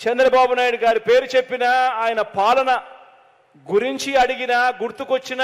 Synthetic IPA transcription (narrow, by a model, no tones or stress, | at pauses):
t͡ʃɛnd̪ɾɐbaːbunaːjiɽuɡaːɾupe̞ːɾut͡ʃe̞pːinɐaːjɐnɐpaːlɐnɐ | ɡuɾiɲt͡ʃiɐɽiɡinɐɡuɾt̪ukot͡ʃːinɐ